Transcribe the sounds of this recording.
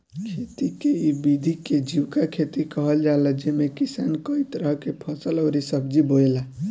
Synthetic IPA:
kʰet̪ikeibid̪ʱiked͡ʒiwkakʰet̪ikəɦəld͡ʒaləd͡ʒemekisankəit̪ɾəɦkepʰəsələwɾisəb̚d͡ʒiboela

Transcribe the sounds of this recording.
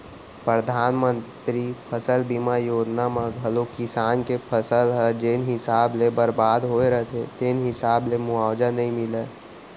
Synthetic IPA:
pɾəd̪ʱaːnmə̃nt̪ɾipʰəsəlbimajoːd͡ʒnamãɡʱəlokɪsaːnkepʰəsəlɦɛd͡ʒeːnɦɪsaːblebəɾbaːd̪ɦoeɾəɦt̪ʰet̪eːnɦɪsaːblemʊaːd͡ʒanəɦĩmɪle

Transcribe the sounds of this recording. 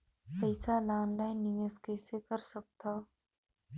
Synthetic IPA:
pəjsalaːnlaɪnːijeskɛːsekəɾsək̚t̪a

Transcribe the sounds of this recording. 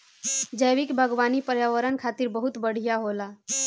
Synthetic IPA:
d͡ʒəjʋikbʱəɡʋanipəɾjaʋəɾənkʰat̪iɾbəɦut̪bəɽ̤ijaɦola

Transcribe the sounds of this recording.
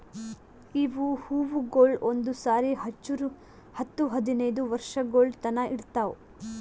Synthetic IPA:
iʋuhuːʋuɡoːɭond̪usaːɾiɦɐt͡ʃːuɾu | hɐt̪ːuɦɐd̪inɐjd̪uʋɐɾʂɐɡoːlt̪ɐnɐʔiɽt̪aːo

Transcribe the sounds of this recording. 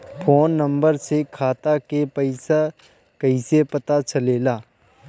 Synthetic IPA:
pʰoːnːə̃mbəɾsekʰaːt̪akepɐɪsa | kɐisepɐt̪at͡ʃɐleːlaː

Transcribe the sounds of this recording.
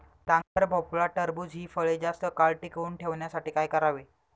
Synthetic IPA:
ʈãŋkəɾbʱɔpulɭaʈəɾbud͡zɦiːfəɭed͡zast̪əkaɭʈikuːnʈʰeʋɳjasaʈiːkajkəɾaʋe

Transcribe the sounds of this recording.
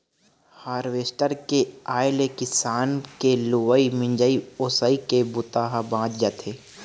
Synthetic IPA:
haːɾʋeːsʈəɾkeaːjlekɪsaːnkeluwəimɪ̃ɲd͡ʒəioːsəikebʊt̪aːɦabãːt͡ʃd͡ʒaːt̪ʰeː

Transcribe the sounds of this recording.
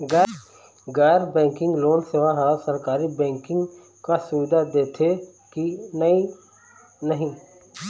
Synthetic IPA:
ɡɛ | ɡaːɾbɛ̃ːŋkɪ̃ŋɡloːnseːʋaɦasəɾkaːɾibɛ̃ːŋkɪ̃ŋɡ | kasʊʋɪd̪ʱad̪eːt̪ʰe | kinəi | nəɦĩ

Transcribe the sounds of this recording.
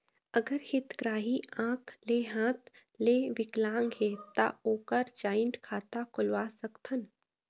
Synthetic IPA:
əɡəɾhɪt̪ɡɾaːɦiãːkʰleːɦãːt̪ | leːʋɪklãːŋɡɦeːt̪a̰oːkəɾd͡ʒaːɪɳʈkʰaːt̪akʰʊlwaːsəkt̪ʰən

